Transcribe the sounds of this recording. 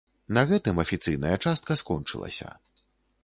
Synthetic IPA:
nɐɣɛt̪ɨmɐfʲit̪sɨjnɐjɐt͡ʂast̪̚kɐskɔnt͡ʂɨ̰lˠɐ̰sʲɐ̰

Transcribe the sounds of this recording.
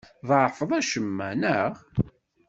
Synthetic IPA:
ðʕfəðˤæʃəmːænəʁ

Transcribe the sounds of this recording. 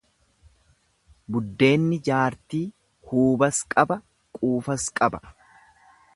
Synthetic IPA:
bʊd̪ːe̞ːnːɪd͡ʒaːɾt̪iː | huːbɐskʼɐbɐ | kʼuːfɐskʼɐbɐ̥

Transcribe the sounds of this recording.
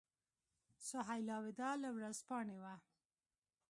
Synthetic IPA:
sʊɦajlɑwɪd̪ɑlawɾazpɑɳewa

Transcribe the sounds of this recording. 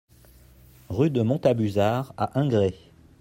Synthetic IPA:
ʁyd̪əmɔ̃t̪abyzaʁa̰ʔɛ̃ɡʁe

